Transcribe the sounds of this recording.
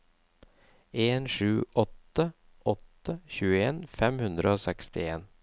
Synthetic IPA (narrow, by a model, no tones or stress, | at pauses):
eːnʂʉːʔɔt̪ːə | ʔɔt̪ːəçʉːəeːnfɛmhʉnd̪ɾəoːsɛkst̪ɪeːn